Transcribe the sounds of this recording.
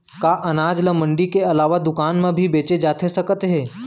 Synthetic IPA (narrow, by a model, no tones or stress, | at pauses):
kaʔɐnaːd͡ʒləmə̃ɳɖikeɐlaːʋad̪ʊkaːnmẽbʱibeːt͡ʃed͡ʒaːt̪ʰesɐkət̪ɦɛː